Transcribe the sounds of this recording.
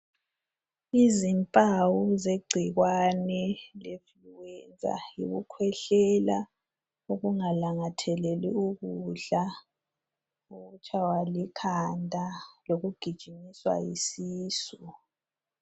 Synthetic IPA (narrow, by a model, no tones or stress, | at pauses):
izimpʼawuzeɡ͡ǀʱiɣwanɛlefluwɛnd͡zʱa̰ḭɣukʰwɛɬɛla | uɣuŋalaŋatʰɛlɛliuɣuɮa | uɣut͡ʃʰawalikʰandʱaloɣuɡ̥ʱid̥ʒ̥ʱimiswa̰jisiːsu